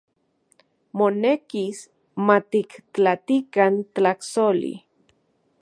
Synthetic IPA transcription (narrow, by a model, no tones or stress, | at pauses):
monekis | mat̪ikt͡ɬat̪ikant̪t͡ɬaksolḭ